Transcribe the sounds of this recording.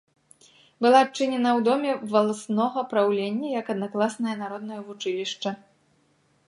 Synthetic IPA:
bɨlˠaːt͡ʂɨnʲɛnɐwd̪ɔmʲɛvɐlˠasnɔɣɐpɾawlʲenʲːɐjɐkɐd̪naklˠasnɐjɐnaɾɔd̪nɐjɐvut͡ʂɨlʲiʂt͡ʂɐ

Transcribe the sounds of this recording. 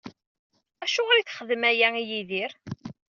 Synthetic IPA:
æʃʊʁɾiθχəðəmæjæijiðiɾ

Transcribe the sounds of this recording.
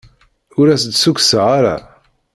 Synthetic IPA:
ʊɾæsəd̪suksəʁaɾa̰

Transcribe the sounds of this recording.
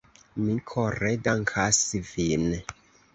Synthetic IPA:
mikʰoɾedaŋkʰasivin

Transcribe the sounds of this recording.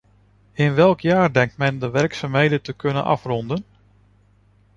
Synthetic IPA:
ɪnʋɛlˠkʰjaːɹdɛŋk̚tmɛndəʋɛrksaːmɦejdəntəkʰɵnə̰nʔɑ̰frɔndən

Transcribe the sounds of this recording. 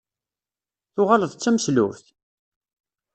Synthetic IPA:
θʊʁaləðˤət͡sːæməslʊvθ

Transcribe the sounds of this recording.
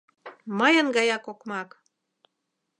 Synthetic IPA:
məjənɡɑjɑkokmɑk

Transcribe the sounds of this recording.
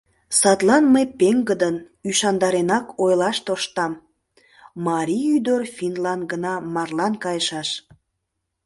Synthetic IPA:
sɑt̪lɑnməjpeŋɡəd̪ən | yʃɑnd̪ɑɾenɑkʰojlɑʃt̪oʃt̪ɑm | mɑɾʲiyd̪orfʲinlɑnɡənɑmɑrlɑnkɑjəʃɑʃ

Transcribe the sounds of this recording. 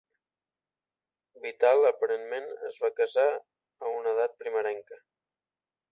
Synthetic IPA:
bit̪alˠəpəɾenmenə̰zβakəza | əunəð̞at̪̚pɾiməɾɛŋkə

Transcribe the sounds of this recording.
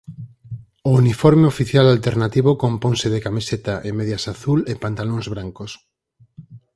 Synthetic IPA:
ounifɔɾmeofiθjalalt̪eɾnat̪iβokompõŋsɪðɪkamiset̪aʔemeðjasaθulepant̪alõŋzβɾaŋkos

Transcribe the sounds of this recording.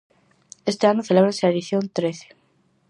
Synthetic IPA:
est̪eanoθeleβɾanseaeðiθjont̪ɾeθe̥

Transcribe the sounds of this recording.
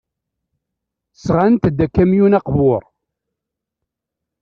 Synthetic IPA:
sʁant̪d̪ːækːæmjunɑqvʊɾˤ

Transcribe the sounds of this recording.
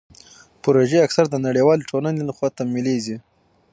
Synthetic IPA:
pʊɾoʒeaksaɾd̪ənaɽewɑleʈʰolanelaxwɑt̪amilezi

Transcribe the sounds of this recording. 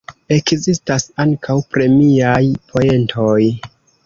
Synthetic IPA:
e̞kzistasaŋkʰawpɾe̞miajpʰo̞e̞ntʰo̞j

